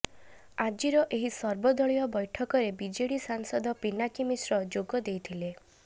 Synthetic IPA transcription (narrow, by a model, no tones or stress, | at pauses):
ad͡ʒiɾɔʔeɦisɔɾbɔd̪ɔɭijɔbɔjʈʰɔkɔɾebid͡ʒeɽisaŋsɔd̪ʱɔpinakimisɾɔd͡ʒoɡɔd̪ejt̪ʰile